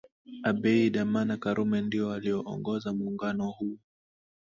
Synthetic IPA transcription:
aɓɛiɗamanakaɾʔumɛndiɔaliɔʔɔ̰ŋɡɔzamuːŋɡanɔhu

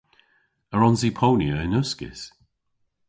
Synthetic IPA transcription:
əɹɔnzipʰownjəɪnʊskɪ̰s

